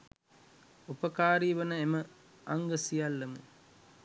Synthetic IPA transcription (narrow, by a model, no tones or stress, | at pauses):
upəkaːɾiːʋənəemə | aŋɡəsijalːəmə̰